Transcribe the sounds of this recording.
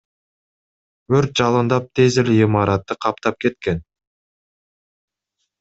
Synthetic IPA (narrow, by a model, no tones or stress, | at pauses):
ɵɾt̪̚ʒ̥ɑlˠənd̪ɑp̚t̪ʰe̞zɪlɪimɑɾɑt̪ːəqʰɑpt̪ɑp̚kʲʰe̞t̪kʲe̞n